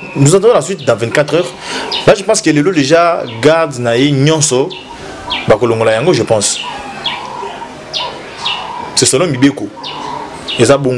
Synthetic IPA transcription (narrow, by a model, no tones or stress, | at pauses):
nozãtãlaswit̚dɑ̃vɛ̃tkatʁœʁ | baʒəpɑ̃skelelodeʒaɡaʁdnajeɲɔ̃nsɔ | bakoloŋɡolajaŋɡoʒəpɑ̃s | sɛsolomibeko | ezaboŋɡ